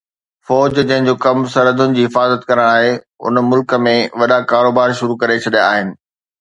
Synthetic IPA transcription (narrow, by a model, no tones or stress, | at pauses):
fɔːd͡ʑd͡ʑɐ̃ɦɪ̃ɲd͡ʑoːkɐmsɐɾəd̪ʱʊnɪ̆d͡ʑiːɦɪfaːzət̪kɐɾəɽ̃aːɦe | ʊ̰nmʊlkə̆mẽʋɐɗakaːɾoːbaːɾʃʊɾukɐɾet͡ɕʰɐɗjaa̰ːɦɪnɪ̆